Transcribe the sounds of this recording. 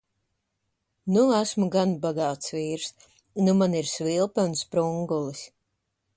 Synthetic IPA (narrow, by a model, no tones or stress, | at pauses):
nuæsmuɡanbaɡaːt̪sviːɾs | numaniɾsvilˠpaunspɾuŋɡulˠis